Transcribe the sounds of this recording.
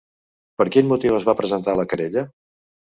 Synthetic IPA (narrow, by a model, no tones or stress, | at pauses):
pəɾkinmut̪iwəzβapɾəzənt̪aləkəɾeʎə